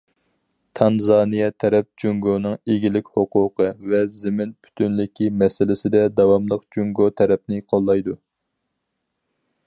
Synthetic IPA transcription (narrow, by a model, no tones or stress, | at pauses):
t̪ʰɑnzɑːnijɛt̪ʰɛɾɛp̚d͡ʒuŋɡonɨŋeɡʲilɪkʲhoqʊqʰəvɛzɪmɪnpʰy̥t̪ʰynlɪkʲʰimɛsɪlɪsɪd̪ɛd̪ɑwɑmlˠəqd͡ʒuŋɡot̪ʰɛɾɛp̚nɪqʰolˠːɑjd̪u